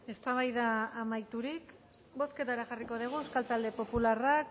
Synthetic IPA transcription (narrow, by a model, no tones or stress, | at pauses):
e̞st̪aβ̞ajðaːmajt̪uɾik | bo̞ske̞t̪aeɾaxariko̞ð̞iɣ̞ueskalt̪ald̪e̞po̞pularak